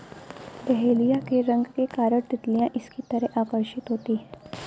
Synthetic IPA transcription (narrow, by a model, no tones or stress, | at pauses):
d̪əɦelijakeɾəŋɡkekaɾəɽd̪it̪lijãʔiskit̪əɾeʔakəɾɕit̪ɦot̪iː